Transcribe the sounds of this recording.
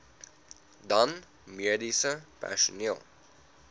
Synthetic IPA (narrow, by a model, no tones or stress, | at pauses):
dɐn | miədisəpæ̰ʃuniəlˠ